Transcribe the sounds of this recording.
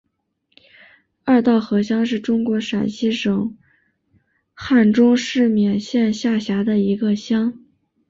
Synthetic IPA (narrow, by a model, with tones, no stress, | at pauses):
a˥˧t̪ɑ˥˩ʊxɤ˧˥ɕjɑ˥ŋʂɻ̩˥˩ʈ͡ʂʊ˥ŋkwɔ˧˥ʂa˨˩nɕi˥ʂɤ˨˩˦ŋ | xa˥˩nʈ͡ʂʊ˥ŋʂɻ̩˥˩mjɛ˨˩nɕjɛ˥˧nɕja˥˩ɕja˧˥d̪ə˧i˧˥ɡə˧ɕjɑ˥ŋ